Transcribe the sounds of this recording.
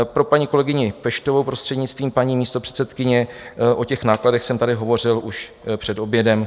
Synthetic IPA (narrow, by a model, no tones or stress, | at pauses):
pɾo̞paɲiːko̞lɛɡɪɲɪpɛʃt̪ovowpɾost̪r̥ɛdɲɪt͡st̪viːmpaɲiːmiːst̪o̞pr̥ɛ̥t̪sɛt̪kɪɲɛʔo̞cɛxnaːkladɛxsɛmt̪adɪɦo̞vo̞r̝ɪlʔuʃ | pr̝̥ɛdo̞bjɛdɛm